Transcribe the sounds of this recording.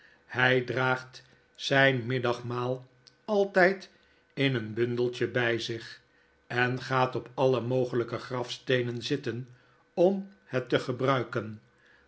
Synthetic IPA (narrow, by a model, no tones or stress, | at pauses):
hɛjdraːχt | sɛjnmɪdɑχmaːlˠ | ɑlˠtɛjt | ɪnənbɵndəlˠt͡ʃəbɛjzɪχ | ɛnχaːtɔpɑləmowχələkəχrɑfstejnənzɪtən | ɔmhɛtəχəbrœɥkən